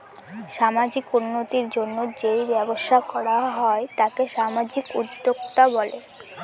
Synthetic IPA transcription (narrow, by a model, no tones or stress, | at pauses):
ʃamad͡ʑikunːot̪iɾd͡ʑonːod͡ʑejbɛboʃakɔɽaɦɔet̪akeʃamad͡ʑikṵd̪ːoɡt̪abɔle